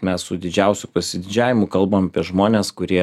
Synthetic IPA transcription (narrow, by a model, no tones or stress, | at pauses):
mʲɛssʊd̪ʲɪd͡ʒʲɛˑʊsʲʊpɐsʲɪd̪ʲɪd͡ʒʲæːʋʲɪmʊkɐlˠbɐmɐpʲiɛʒmoːnʲeːskʊɾʲiɛ